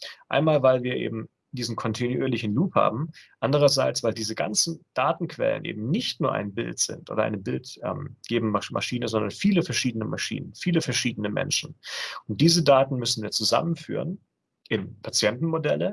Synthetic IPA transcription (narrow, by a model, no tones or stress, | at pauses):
ʔaɪnmaːlvaɪlviːɐʔḛːbm̩ | d̥iːzn̩kʰɔntʰenuʔyːɐlɪçn̩luːpha̰ːbm̩ʔandəʁ̞ɐzaɪt͡sv̥aɪldiːzəɡa̰nt͡sn̩d̥aːtn̩kv̥ɛ̰lə̰nʔḛːbm̩nɪçtnuːɐʔa̰ɪnbɪ̰ltz̥ɪ̰ntʔo̰ːdɐʔa̰ɪnəbɪltʔɛ̰ːmɡ̥eːbm̩amʔa̰ʃiːnəzɔndɐnfiːləfɛɐʃiːdənəmaʃḭːnənfiːləfɛɐʃiːdənəmɛ̰nʃn̩ʊnt̚d̥iːzədaːtn̩mʏsn̩viːɐt͡suza̰mənfy̰ːʁən | ʔɪnpʰat͡sjɛntn̩modɛlə